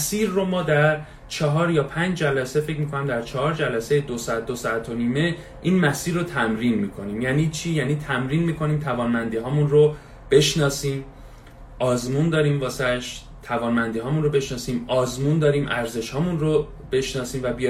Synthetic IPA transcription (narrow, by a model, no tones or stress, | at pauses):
mæsiːɾːomɒːd̪æɾ | t͡ʃʰɒɦɒːɾjɒːpʰænd͡ʒd͡ʒælæse̞fe̞c̬ʰʲmiːkʰonæmd̪æɾt͡ʃʰɒhɒːɾd͡ʒælæsejed̪osɒæt̪̚d̪osɒæt̪ʰoniːme̞ | ʔiːnmæsiːɾːot̪ʰæmɾiːnmiːkʰo̞niːmjæːniːt͡ʃʰiːjæniːt̪ʰæmɾiːnmiːkʰo̞niːmt̪ʰævɒːnmænd̪iːɦɒːmunro | b̥e̞ʃnɒːsiːm | ʔɒːzmund̪ɒːɾiːmvɒːseæʃ | t̪ʰævɒːnmænd̪iːɦɒːmunrobe̞ʃnɒːsiːmɒːzmund̪ɒːɾiːmʔæɾze̞ʃhɒːmunro | b̥e̞ʃnɒːsiːmvæbi